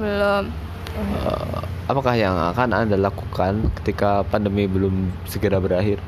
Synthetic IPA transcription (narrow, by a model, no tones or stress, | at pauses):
bəlʊm | ə | apakahjaŋa̰kana̰ndalakukankə̥t̪ikapandəmibəlʊmsəɡəɾabəɾaɦɪr